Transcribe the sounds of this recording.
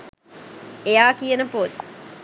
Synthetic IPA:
ejaːkijənəpot̪

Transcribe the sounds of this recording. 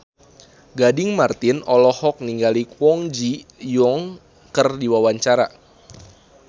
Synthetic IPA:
ɡadɪŋmart̪ɪnɔlɔhɔk̚niŋɡalikwɔŋd͡ʒijɔŋ | kərdiwawaɲt͡ʃaɾa̰

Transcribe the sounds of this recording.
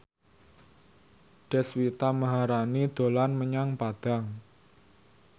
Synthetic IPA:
ɖ̥ɛ̤swit̪aməɦaɾanid̪̥o̤lanməɲaŋpad̪̥a̤ŋ

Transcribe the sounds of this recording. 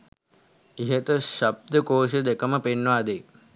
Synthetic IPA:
iɦet̪əʃɐb̚d̪əkoːʃəd̪ekɐməpenːʋaːd̪e

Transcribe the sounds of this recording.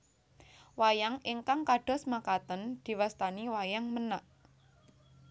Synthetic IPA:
wajaŋɪŋkaŋkaɖ̥ɔ̤smakat̪ənd̪̥i̤wast̪aniwajaŋmənaʔ

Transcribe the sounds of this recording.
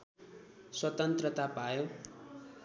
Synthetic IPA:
swʌt̪ʌnt̪rʌt̪apajo

